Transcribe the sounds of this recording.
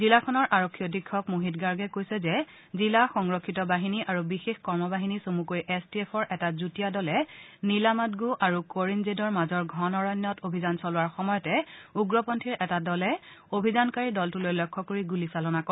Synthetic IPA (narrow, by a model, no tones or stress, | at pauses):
zilakʰɔnɔɹʔaɹokʰːijɔdikʰːɔkmuɦitɡaɹɡɛkojsɛzɛ | zilaxɔŋɹokʰːitɔbaɦiniʔaɹubixexkɔɹmɔbaɦinisomukojʔɛstiɛpʰɔɹʔɛtazutijadɔlɛ | nilamatɡuʔaɹukoɹinzedɔɹmazɔɹɡʱɔnɔɹɔnːɔtobʱizansɔlʊwaɹxɔmɔjɔtɛuɡɹɔpɔntʰiɹʔɛtadɔlɛobʱizankaɹidɔltulojlɔkʰːɔkoɹiɡulisalɔnakɔ